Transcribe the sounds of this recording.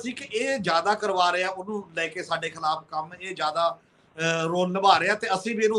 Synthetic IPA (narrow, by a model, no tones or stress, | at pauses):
sĩːkɪʔeːd͡ʒjaːd̪aːkəɾʋaːɾeaːʊnũːlɛːkeːsaːɖeːkʰɪlaːpkəmeːd͡ʒjaːd̪aː | ɾoːlnəbaːɾeːaːt̪eːəsĩːbiːnũː